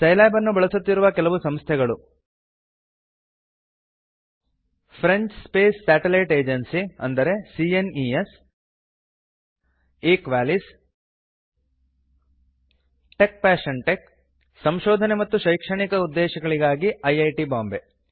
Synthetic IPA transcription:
t͡ʃɐjlaːbɐnːubɐɭɐsut̪ːiɾuʋɐkɛlɐʋusɐmst̪ʰɛɡɐɭu | pʰɾeɲt͡ʃspeːsːæːʈelɐjʈeːd͡ʒensiɐ̰nd̪ɐɾe̞sienies | eːkʋæːlis | ʈe̞k̚pæːʃɐɳʈek | sɐmʃɔːd̪ʱɐnemɐt̪ːuʃɐjkʂɐɳikɐud̪ːɛːʃɐɡɐɭiɡaːɡiɐjɐjʈibaːmbe

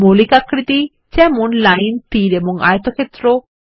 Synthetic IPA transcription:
molikakɾit̪i | d͡ʑɛmonlajnpiɾeboŋa̰jet̪okʰet̪ːɾo

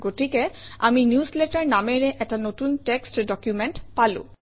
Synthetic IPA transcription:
ɡotikɛa̰minjuslɛtaɹnamɛɹɛʔɛtanotuntɛkstdɔkjumɛntpalʊ̰̃

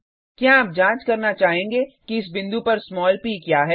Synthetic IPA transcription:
kjaːp̚d͡ʒãːt͡ʃkɐɾnat͡ʃaːɦẽːŋɡekiɪs̬bɪ̃nd̪upɐɾsmɔːlpiːkjaːɦɛː

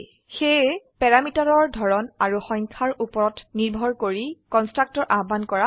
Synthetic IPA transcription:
xepɛɹamitaɹɔɹdʱɔɹɔnaɹuxɔ̃jɲkʰaɹʔupɔɹɔtniɹbʱɔɹkoɹikɔnstɹak̚tɔɹʔabankɔɹa

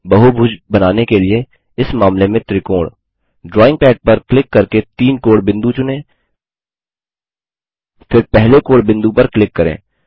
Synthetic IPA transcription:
bɐɦubʱʊd͡ʒbɐnaːnekelie | ɪsmaːmlemẽt̪ɾikoːɽ | ɖɾɔːɪ̃ŋɡ̚pɛːʈ̚pɐɾklɪkːɐɾket̪iːnkoːɽbɪ̃nd̪ut͡ʃʊnẽː | fɪɾpɛɦlekoːɽbɪ̃nd̪upɐɾklɪkːɐɾḛ̃ː

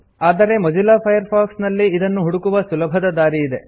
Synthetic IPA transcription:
aːd̪ɐɾe̞mɐd͡ʒulaːpʰɐjɐɾpʰaːksnɐlːiːd̪ɐnːuɦuɽukuʋɐsulɐbʱɐd̪ɐd̪aːɾiːd̪e̞

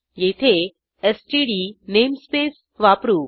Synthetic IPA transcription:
jet̪ʰe | esʈiɖinemspeːs | ʋapɾuː

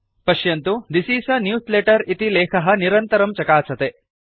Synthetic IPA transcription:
pɐʃjɐnt̪ud̪isiːsɐnjuːsleʈɐɾit̪ilɛːkʰɐɦɐniɾɐnt̪ɐɾɐmt͡ʃɐkaːsɐt̪e

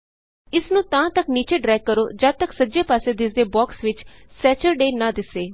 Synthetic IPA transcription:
ɪsnũːt̪ãːt̪əkniːt͡ʃeːɖɾɛːkːəɾoːd͡ʒaːt̪əksəd͡ʒeːpaːseːd̪ɪsd̪eːbɔːksʋɪt͡ʃsɛːt͡ʃəɾɖeːnãːd̪ɪsːeː

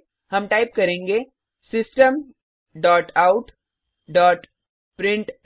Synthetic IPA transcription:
hɐmʈaːɪp̚kɐɾẽːŋɡe | sɪsʈəm | ɖɔːʈaːʊʈ | ɖɔːʈ | pɾɪ̃ɳʈ

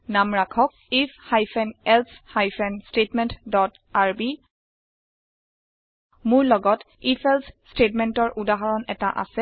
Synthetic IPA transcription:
namɹakʰɔk̚ifʰhajfʰɛnɛlshajfʰɛnstetmɛntdɔt | aɹbi | mʊɹlɔɡɔt | ifʰɛlsstetmɛntɔɹʔudaɦaɹɔnɛtaʔa̰sɛ

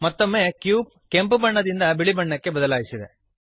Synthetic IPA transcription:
mɐt̪ːomːeːkjuːb̚ | ke̞mpbɐɳːɐd̪ind̪ɐbiɭibɐɳːɐkːe̞bɐd̪ɐlaːjisid̪e

